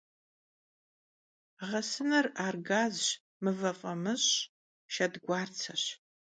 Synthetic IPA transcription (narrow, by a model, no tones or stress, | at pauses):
ʁɐsɨnɐraːrɡaːzɕ | mɨvɐfʼɐmɨɕʼ | ʃɐdɡʷɑːrt͡sʰɐɕ